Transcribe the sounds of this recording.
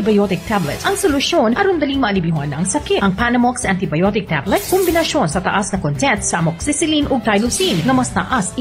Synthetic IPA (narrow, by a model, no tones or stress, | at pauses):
ɪbɐjot̪ɪk̚t̪ʰablɛt̪ʔɐŋsolʊʃo̞nʔɐɾʊnd̪ɐliŋmɐʔɐlɪbɪɦanɐŋsɐkitʔɐŋpanɐmoksʔant̪ɪbɐjot̪ɪk̚t̪ablɛt̪̚kombɪnɐʃjo̞nsɐt̪ɐʔasnɐkont̪ɛnt̪sɐɐmoksisɪlinʔoɡ̚t̪ajlosinnɐmɐst̪ɐ̰ʔas